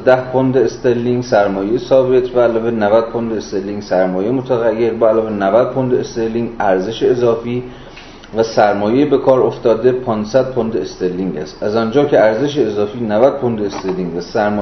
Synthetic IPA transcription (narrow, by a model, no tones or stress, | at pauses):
d̪æhpʰond̪eːst̪elːiŋɡsæɾmɒːjejsɒːve̞t̪ʰbæælɒːvenævæd̪̚pʰond̪eest̪elːiːŋɡsæɾmɒːjemot̪ʰæɣæjːe̞ɾbæælɒːve̞nævæd̪̚pʰond̪eest̪elːiŋɡʔæɾze̞ʃeːzɒːfiː | væsæɾmɒːjebe̞kʰɒːɾoft̪ɒːd̪e̞pʰɒːnsæd̪̚pʰond̪eest̪elːiŋɟæ̰st̪ʔæzɒːnd͡ʒɒːcʰeæɾze̞ʃ̬eːzɒːfiːnævæd̪̥̚pʰond̪eest̪elːiŋɟvæsæɾmː